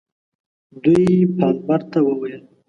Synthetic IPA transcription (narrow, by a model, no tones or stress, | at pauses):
d̪ujpɑlbaɾt̪awəwajəl